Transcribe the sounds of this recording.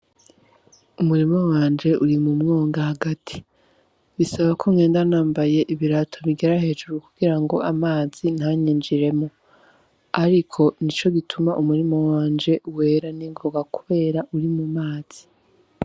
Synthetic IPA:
umuɾimo̞waːnd͡ʒe̞ʔuɾimumŋoːŋɡahaɡatʰi̥ | βisaβakʰo̞mŋe̞ːndanaːmbaje̞ʔiβiɾatʰo̞βiɡeɾaɦe̞ːd͡ʒuɾukuɡiɾaŋɡo̞ʔamaːz̥inhaɲiːnd͡ʒiɾe̞mo | aɾikʰo̞nit͡ʃo̞ɡitʰumaʔumuɾimo̞waːnd͡ʒe̞we̞ːɾaniŋɡoɡakuβe̞ːɾaʔuɾimumaːz̥i̥

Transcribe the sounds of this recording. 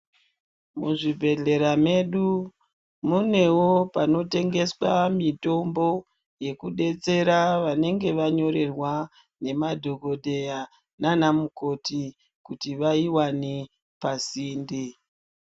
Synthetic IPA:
muʐibʱe̞ɮe̞ɾame̞ɗu | mune̞wopano̞te̞ŋɡe̞swamito̞mbo̞ | je̞kuɗe̞t͡se̞ɾaʋane̞ŋɡe̞ʋaɲo̞ɾe̞rwa | ne̞madʱoɡo̞dʱe̞ja | nanamuko̞ti | kutiʋaiwane | pasiːndi

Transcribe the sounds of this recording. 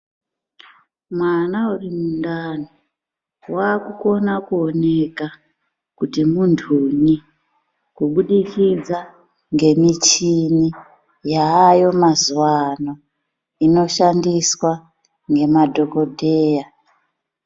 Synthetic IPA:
mwanaurimundano | wakuko̞nakuone̞ka | kutimundʰʱuni | kuɓuɗikʰid͡za | ŋɡe̞mit͡ʃini | jaːjo̞mazuwano̞ | ino̞ʃandiswa | ŋɡe̞madʱo̞ko̞dʱe̞ːja

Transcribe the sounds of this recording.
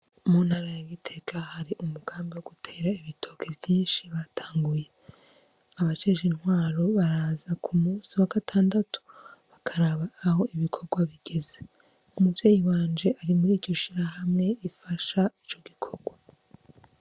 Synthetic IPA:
mun̥haɾajaɡitʰe̞kʰahaɾiʔumuɡ̥aːmbiwo̞ɡutʰe̞ːɾaiβitʰo̞kʰe̞vjiːnʃiβatʰaːŋɡuje̞ | aβat͡ʃe̞ʒinhwaːɾo̞βaɾaːzakʰumuːnsiwaɡatʰaːndatʰu̥βakʰaɾaβaːho̞iβikʰo̞ɡwaβiɡ̥e̞ze | umuvje̞ːjiwaːnd͡ʒe̞ʔaɾimuɾiːd͡ʒɟo̞ʃiɾaɦamŋe̞ifaʃait͡ʃo̞ɡikʰo̞ɡ̥wa

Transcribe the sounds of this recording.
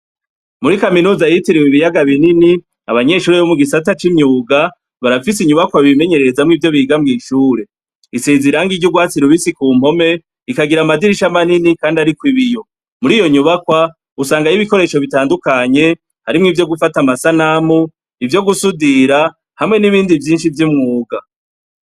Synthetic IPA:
muɾikaminuːzajitiɾiwiβijaɡaβinini | aβaɲe̞ʃuːɾejomuɡisatat͡ʃimɲuːɡa | βaɾafis̬iɲuβakwaβime̞ɲe̞ɾe̞ɾezamŋiːvjo̞βiːɡamŋiːʃuːɾe̞ | isiziɾaŋɡiɾɟuɡwaːt͡siɾuβisikuːm̥o̞me̞ | ikaɡiɾamadiɾiʃamaninikaːndiaɾikwiβijo̞ | muɾijo̞ɲuβakwa | usaːŋɡajiβiko̞ɾe̞ʃo̞βitaːndukaɲe̞ | haɾimŋiːvjo̞ɡufatamasanamu | ivjo̞ɡusudiɾa | hamŋe̞niβiːndivjiːnʃivjimŋuːɡa

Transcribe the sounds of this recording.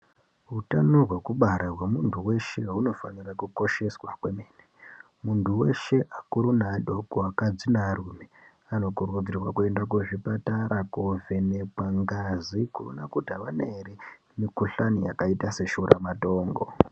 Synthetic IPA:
ɦutanoɦwe̞kuɓaɾarwemuntʰuwe̞ʃe̞ɦuno̞fanirakuko̞ʃe̞swakwe̞meːne | muntʰuwe̞̰ʃe̞ʔakuɾunaɗo̞koakad͡zinaruːme | ano̞kurud͡zirwakue̞ndak̬weʐipataɾʔakuve̞nepaŋɡazikuro̰nakudʱaʋaneɾi | mikuɬanija̰kaitase̞ʃuɾa̰mato̞ːŋɡo̰

